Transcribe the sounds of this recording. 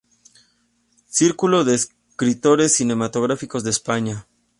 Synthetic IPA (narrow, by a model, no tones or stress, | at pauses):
siɾkulo̞ðe̞ːs | kɾit̪o̞ɾe̞sːine̞mat̪o̞ɣɾafiko̞zðeːspaɲa